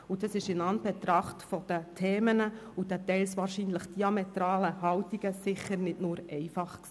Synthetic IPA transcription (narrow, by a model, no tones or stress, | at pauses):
ud̥ɑsɪʃɪnɑnb̥ɛt̪ɾɑχtfɔd̥̪ətʰeːmənəud̥̪ɛtɛɪlsʋɑːɾʃiːnləχd̥iɑmɛtɾɑːləhɑltiɡəsɪχəɾnɪdnʊːɾʔɛɪfɑχksi